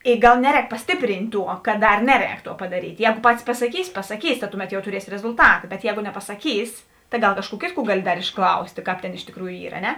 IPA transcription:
ɪ ˈɡɐlˠ ˈnʲæːˌrʲɛːk pɐsʲˈtʲɪpʲrʲiːnʲtʲ ˈtuɔ kɐt ˈdɐr ˈnʲæːˌrʲɛːk ˈtuɔ pɐdɐˈrʲiːtʲ ˈjɛːɡoː ˈpɑːtʲɪs pɐsɐˈkʲiːs pɐsɐˈkʲiːs tɐ ˈtʊˌmʲɛt jɛʊ tʊˈrʲiɛsʲɪ rʲɛzʊlˠˈtɑːtɐ bʲɛt ˈjɛːɡoː nʲɛpɐsɐˈkʲiːs tɐɪ ˈɡɐlˠ ˈkɑːʃˌkuː ˈkʲeːtˌkuː dɐr ˈɡɑːlʲɪ ɪʃˈklˠɐʊsʲtʲeː ˈkɑːp ˈtʲeːn ɪʃ tʲɪkˈruːjuː ˈiːr ɐ ˈnʲɛ

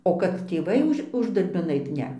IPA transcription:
oː kɐt tʲeːˈʋɐɪ ʊʃ ˈʊʒdɐrʲbʲɪn ˈɐɪt ˈnʲɛ

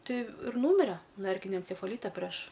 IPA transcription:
ˈtɐɪ ɪr ˈnuːmʲɪrʲɛ nuɔ ˈɛrʲkʲɪnʲoː ɛnʲt͡sʲɛfɐˈlʲiːtɐ pʲrʲɛʃ

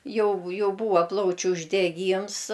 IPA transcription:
ˈjɛʊ ˈjɛʊ ˈbuːʋɐ ˈplˠɐʊt͡ʃʲʊ ʊʒʲdʲɛˈɡʲiːms

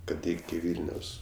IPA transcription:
ˈkɐt ˈɪkʲɪ ˈʋʲiːlʲnʲoːs

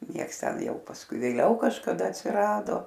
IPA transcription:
ˈnʲiɛks ˈtʲɛn ˈjɛʊ pɐsˈkʊɪ ʋʲeːˈlʲɛʊ kɐʃkɐˈdɐ ɐtʲsʲɪˈrɑːdoː

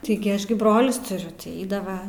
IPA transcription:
ˈtʲɪɡʲɪ ˈɐʃ ɡʲɪ ˈbroːlʲʊs tʊˈrʲʊ tʲɪ ˈɛɪdɐʋɐ

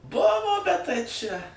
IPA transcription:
ˈbʊʋoː bʲɛt tɐɪ t͡ʃʲɛ

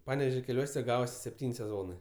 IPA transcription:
ˈpɑːnʲɛʋʲɛʒʲoː kʲɛˈlʲuɔsʲɛ ˈɡɑːʋoːsʲɪ sʲɛpʲˈtʲiːnʲ sʲɛˈzoːnɜ

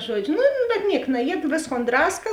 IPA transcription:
ˈʒuɔd͡ʒʲʊ nʊ bʲɛt ˈnʲiɛk nɐˈjiɛt ˈʋʲeːsˌkoːn ˈdrɑːskɐ

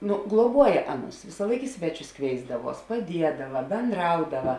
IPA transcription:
ˈnʊ ɡlˠuɔˈbuɔjɛ ˈɑːˌnʊs ʋʲɪsɑːˈlˠɐɪk ɪ ˈsʲʋʲæːˌt͡ʃʲʊs ˈkʋʲeːɪzdɐˌʋuɔs pɐˈdʲiɛdɐʋɐ bʲɛnˈdrɐʊdɐʋɐ

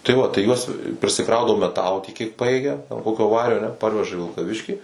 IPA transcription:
tɐɪ ˈʋɐ tɐɪ ˈjuɔs pʲrʲɪsʲɪˈkrɐʊdɐʋoː mʲɛˈtɑːlˠoː tʲiɛk kʲiɛk ˈpɑːjeːɡʲɛ jɛʊ ˈkoːkʲoː ˈʋɑːrʲoː ɐˈnʲɛ ˈpɐrʲʋʲɛʒɐ iː ʋʲɪlˠkɐˈʋʲɪʃʲkʲiː

